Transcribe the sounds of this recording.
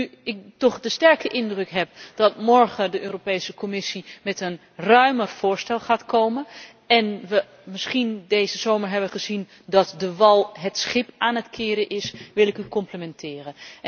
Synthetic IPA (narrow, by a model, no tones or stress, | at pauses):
yɪk̚tɔχdəstɛɹkəʔɪndrɵkɦɛp̚d̥ɑtmɔɹχədəʔøːropejsəkomɪsimɛtən | rœɥmərv̥ʊːɹstɛlˠχaːtkowmən | ɛnʋə | mɪsχindejzəzowməɹɦɛbʋəχəzin | dɑtdəʋɑlˠɦətsχɪpaːnətkʰɪːɾəʔɪsʋɪlˠɪkykɔmpləmɛntʰɪːrə